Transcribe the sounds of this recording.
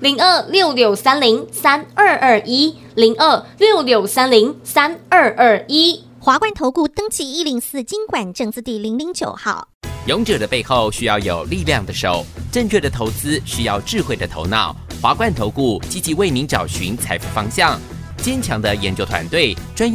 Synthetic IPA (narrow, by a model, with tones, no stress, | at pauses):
li˧˥ŋə˥˧˩ljo˥˩ʊljo˨˩ʊsa˥nli˧˥ŋsa˥nə˞˥˧ʔə˥˩ʔi˥ | li˧˥ŋʔə˥˧˩ljo˥˩ʊljo˨˩ʊsa˥nli˧˥ŋsa˥nə˥˧ʔə˞˥˩i˥ | xwa˧˥kwa˥nt̪ʰo˧˥ʊku˥˩t̪ɤ˥ŋt͡ɕʰi˧˥˩i˥li˧˥ŋsɹ̩˥˩t͡ɕi˥ŋkwa˨˩nʈ͡ʂɤ˥˧ŋt͡sɹ̩˥˧t̪i˥˩li˧˥ŋli˧˥ŋt͡ɕjo˨˩ʊxɑ̰˥˩ʊ | jo˧˥ŋʈ͡ʂɤ˨˩d̪ə˩˦pe˥˧ɪxo˥˧ʊɕy˥jɑ˥˩ʊjo˨˩ʊli˥˧ljɑ˥˩ŋd̪ə˩ʂo˨˩ʊʈ͡ʂə˥˧ŋt͡ɕʰɥɛ˥˩d̪ə˩t̪ʰo˧˥ʊt͡sɹ̩˥ʂɻ̩˥˧jɑ˥˧ʊʈ͡ʂɻ̩˥˧xwe˥˩ɪd̪ə˩t̪ʰo̰˧˥ʊnɑ˥˩ʊxwa˧˥kwa˥˩nt̪ʰo˧˥ʊku˥˩t͡ɕi˥t͡ɕi˧˥we˥˩ɪmi˧˥ŋʈ͡ʂɑ˨˩ʊɕy̰˧˥nt͡sʰa̰˧˥ɪfṵ˧˥˩fɑ˥ŋɕjɑ˥˩ŋ | t͡ɕjɛ˥nt͡ɕʰjɑ˧˥ŋd̪ə˧jɛ˧˥nt͡ɕjo˥ʊt̪ʰwa̰˧˥nt̪we˥˩ɪʈ͡ʂwa˥n